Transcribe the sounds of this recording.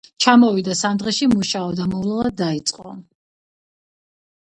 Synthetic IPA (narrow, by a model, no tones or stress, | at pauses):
t͡ʃʰamɔvid̪asamd̪ʁɛʃimuʃaɔd̪amɔvlˠalˠad̪ːait̪sʼqʼɔ̰